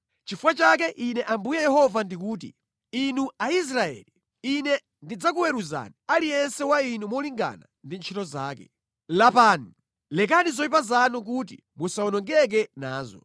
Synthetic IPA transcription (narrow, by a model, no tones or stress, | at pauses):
t͡ʃifuwat͡ʃak̬ɛʔinɛʔambujɛjɛhɔvandik̬uːt̬ḭ | inuais̬ɾaɛ̰li | inɛ | ndid͡zak̬uwɛɾuza̰nialijɛnsɛwainumɔliŋɡa̰na | ndint͡ʃʰitɔzaːkɛ̰ | lapaːnu | lɛk̬anizɔip̬azanuk̬utḭ | musaɔnɔŋɡɛk̬ɛnaːzɔ̰